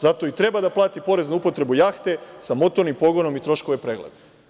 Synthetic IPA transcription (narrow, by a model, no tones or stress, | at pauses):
zat̪o̞it̪ɾe̞bad̪aplˠaːt̪ipo̞ɾe̞znuupo̞t̪ɾe̞bujaːxt̪e̞samo̞t̪o̞ɾnimpo̞ɡo̞no̞mit̪ɾo̞ʃko̞ʋe̞pɾeːɡled̪e